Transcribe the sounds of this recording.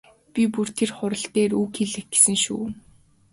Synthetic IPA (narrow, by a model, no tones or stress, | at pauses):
pʲipur̥t̪ʰerχʊɾə̆ɬt̪eːruːkʰeɮɘ̆x̚ɡe̥sɘ̆ŋʃṵː